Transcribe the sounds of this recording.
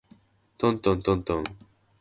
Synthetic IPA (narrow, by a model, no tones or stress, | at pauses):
t̪ont̪ont̪õnt̪õŋ